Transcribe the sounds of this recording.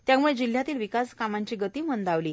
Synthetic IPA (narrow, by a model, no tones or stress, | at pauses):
t̪jamuɭed͡ʑil̤jat̪iːlʋikaskamaɲt͡ɕiːɡət̪iːmənd̪aʋliː